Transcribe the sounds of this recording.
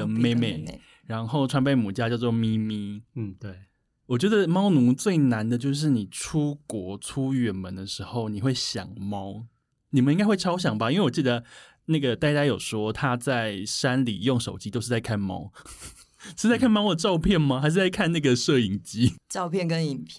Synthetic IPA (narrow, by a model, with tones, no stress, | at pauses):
ə˧me˥˧ɪme˥˩ɪ | ɻa˧˦nxo˥˩ʊʈ͡ʂʰwa˧˥npe˥˩ɪmu˨˩t͡ɕja˥˦t͡ɕjɑ˥˧ʊt͡swɔ˥˨mi˦˥mi˦t̪e˥˩ | wɔ˨˩t͡ɕɥɛ˧˥d̪ə˨mɑ˥ʊnu˧˥˦t͡swe˥˩ɪna˧˦nd̪ə˨˧t͡ɕjo˥˧ʊʂ̬ɻ̩˥˩ni˨˩ʈ͡ʂʰu˦kwɔ˧˥ʈ͡ʂʰu˥ɥɛ˨˥˩nmə˧˦nd̪ə˨ʂɻ̩˧˥xo˥˩ʊni˨˩xwe˥˩ɪɕjɑ̰˨˩ŋmɑ˥ʊ | ni˨˩mə̃˨˦i˥ŋka˥xwe˥˩ɪʈ͡ʂʰɑ˥ʊɕ̬jɑ˨˩ŋbɐ˦i˥we˥˩wɔ˨˩t͡ɕi˥˩d̪ə˩ | na˥˩ɡə˩t̪a˥˧ɪt̪a˥ɪjo˨˩ʊʂwɔ˥t̪ʰa˥t͡sa˥˩ɪʂa˦˥nlḭ˨˩jo˥˩ŋʂo˨˩ʊt͡ɕi˥t̪o˥ʂ̩˥˧˩t͡sa˥˧ɪkʰa˥˩nmɑ̰˥ʊ˨ | ʂɻ̩˥˧˩a˥ɪkʰnmɑ˥ʊd̪ə˨˩ʈ͡ʂɑ˥˧ʊpʰjɛ˥˩nma˨˩xa˧ɪʂ̬ɻt͡sa˥˧ɪkʰa˥˧nna˥˩ɡə˩ʂə˥˩i˨˩ŋt͡ɕi˦˥ʈ͡ʂɑ˥˧ʊpʰjɛ˥˩nkə˦ni˨˩npʰ